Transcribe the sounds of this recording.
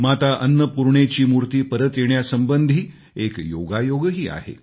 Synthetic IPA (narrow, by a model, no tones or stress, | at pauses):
mat̪aʔənːəpuɾɳet͡ɕiːmuɾt̪iːpəɾət̪jeɳjasəmbənd̪ʱiː | ekjoɡajoɡəɦiːa̰ɦḛ